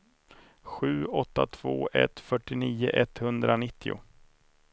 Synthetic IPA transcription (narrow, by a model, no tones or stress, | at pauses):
ɧʉ̟ːɔt̪ːat̪ʰv̥oːʔɛ̰t̪fœʈːɪniːʊ̰ʔɛt̪hɵnd̪ɾanɪt̪ːɪʊ̰